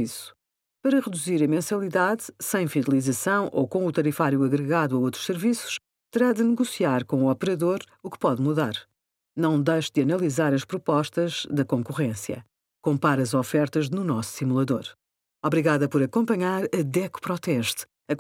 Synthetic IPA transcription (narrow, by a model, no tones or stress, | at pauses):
isu̥ | pɐɾɐʁɨðuziɾɐmẽsɐlˠiðaðsɐ̃j̃fiðɐlˠizɐsɐ̃w̃ʔokõut̪ɐɾifaɾjuɐɣɾɨɣaðwɐot̪ɾu̥ʃsɨɾvisu̥ʃ | t̪ɨɾaðɨnɨɣusiaɾkõuɔpɨɾɐðoɾukpɔðmuða̰ɾ | nɐ̃w̃d̪ɐjʃd̪ɨɐnɐlˠizaɾɐʃpɾupɔʃt̪ɐʒðɐkõŋkuʁẽsjɐ̰ | kõmpaɾɐzɔfɛɾt̪ɐʒnunɔsu̥ːsimulˠɐðoɾ | ɔβɾiɣaðɐpɔɾɐkõmpɐɲaɾɐðɛkpɾɔt̪ɛʃt̪ | ɐ